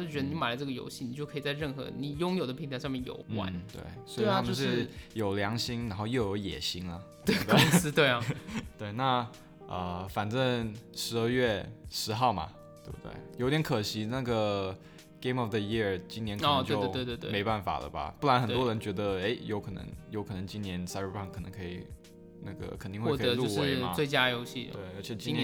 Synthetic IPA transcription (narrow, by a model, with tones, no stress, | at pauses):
o˥˩t͡ɕɥɛ˧˥d̪ə˧˥ma˨˩ɪlə˦ʈ͡ʂɤ˥˩ɡə˩jo̰˧˥ʊɕi˥˩ni˨˩t͡ɕjo˥˩ʊkʰɤ˧˥˨t͡sa˥˧ɪɻə˥˩nxɤ̰˧˥ni˨˩jʊ˥ŋjo˨˩ʊd̪ə˦pʰi˧˥ŋt̪ʰa˧ɪʂɑ˥˧mjɛ˥˩njo̰˨˩ʊwa̰˨˧˦nt̪wḛ˥˩ɪswʰmjo˥˧ʂɻ̩˥˧˩jo˨˩ʊljɑ˧˥ŋɕi˥ŋɻa˧˥nxo˥˧ʊjo˥˧ʊjo˧˥ʊjɛ̰˨˩ɕi˧˥ŋlə˧ | t̪e˥˧˩t̪ʊ˥ŋsɹ̩˥t̪we˥˩ɪɐ˨˩t̪we˥˧ɪna˥˩ | ə˧fa˨˩nʈ͡ʂə˥˧ŋʂɻ̩˧˥ə˥˧ɥɛ˥˩ʂɻ̩˧˥xɑ˥˩ʊmɐ̰˩ | t̪we˧˩bu˧˩t̪wḛ˥˩ɪjo˧˥ʊt̪jŋkʰɤ˨˩ɕi˧˥na˥˩ɡə˩ | ɡe˧˥ɪmɔ˨˩fd̪ə˧ji˥˩ɹt͡ɕi˥njɛ˧˥nkt̪t͡ɕjʊ˥wwe˥˧t̪wme˧˥ɪpa˥˩nfa̰˨˩lə̰˧bɐ̰˩pu˥˩la˧˥nxə˨˩t̪wɔ˥ɻə˧˥nt͡ɕɥɛ˧˥d̪ə˧e˥ɪjo˧ʊkʰnɤ̰˧˥ŋjo˧˥ʊkʰɤ˨˩nɤ˧˥ŋt͡ɕi˥nnjɛ˧˥nsa˥n˥pʰɑ˥˩ŋkʰə˨˩nɤ˧˥ŋkʰɤ˧˥ḭ˨˩ | na˥˩ɡə̰˩kʰə˨˩nt̪i˥˧ŋwe˧˥˩kʰːlu˥˧˥we˧ɪɐ˧˩we˥˩ɪt͡ɕja˥jo˥ʊɕi˥˩t̪we˥˩ɪə˧˥t͡ɕʰɛ˨˩t͡ɕi˥nn˧